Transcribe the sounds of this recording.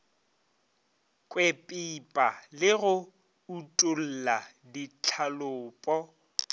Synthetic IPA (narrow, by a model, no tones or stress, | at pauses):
kʼwepʼipʼalɪɣʊ | utʼʊl̩la | dit͡ɬʰalʊːpʼɔ